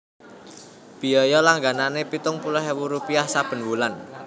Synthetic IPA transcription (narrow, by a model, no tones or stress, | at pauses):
b̥i̤ɔjɔlaŋɡananepit̪ʊŋpulɔɦewuɾupiahsab̥ə̤nwulan